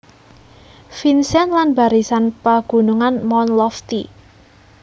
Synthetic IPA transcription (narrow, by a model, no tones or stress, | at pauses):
finsɛnlanba̤ɾisanpaɡ̥ṳnuŋanmɔnlɔft̪i